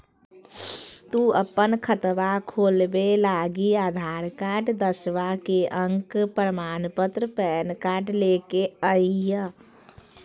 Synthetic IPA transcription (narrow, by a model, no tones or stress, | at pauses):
t̪uəpənkʰət̪ʋakʰoːlbelaɡiaːd̪ʱaːɾkaːɖd̪əsʋakeʔəŋkpɾəmaːnpət̪ɾəpɛːnkaːʈlekeəiɦə